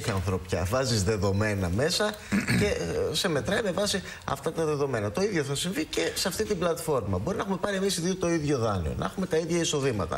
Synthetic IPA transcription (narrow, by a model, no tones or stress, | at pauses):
çɐnθɾopçɐ̰vɐzizðe̞ðo̞me̞nɐ̰me̞sɐ | ce̞se̞me̞t̪ɾɐime̞vɐsi | ɐ̰ft̪ɐt̪ɐðe̞ðo̞me̞nɐt̪o̞iðʝo̞θɐsiɱvice̞seɐft̪it̪iblɐt̪fo̞ɾmɐbo̞ɾinɐexume̞pɐɾie̞misiðiot̪o̞iðʝo̞ðɐnḭo̞̰nʔɐexume̞t̪ɐiðʝɐiso̞ðimɐt̪ɐ̰